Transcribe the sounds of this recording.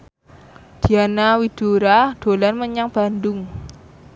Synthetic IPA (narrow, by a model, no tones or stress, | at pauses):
d̪̥i̤anawid̥uɾaɖ̪̥o̤lanməɲaŋb̥a̤nd̪ʊŋ